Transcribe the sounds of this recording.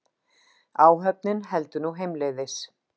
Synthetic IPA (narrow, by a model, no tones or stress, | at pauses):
aːwɦœp̚nɪnɦɛlt̪ʏnuɦejmlɪðɪs